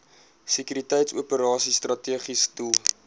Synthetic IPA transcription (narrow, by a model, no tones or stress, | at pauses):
sikyɾitɛjtsuəpəɾɑːsistrɐtiəχistulˠ